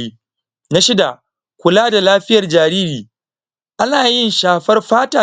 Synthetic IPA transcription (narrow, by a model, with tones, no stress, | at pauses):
iː˦ | na˦ʃɪ˦da˨ | kʷʊ˨laː˦da˨laː˦ɸɪ˦jɐ˨rd͡ʒaː˨ɾiː˦ɾiː˨ | ʔa˦naː˨jɪ˦nʃaː˨ɸɐ˦rɸaː˦taː˨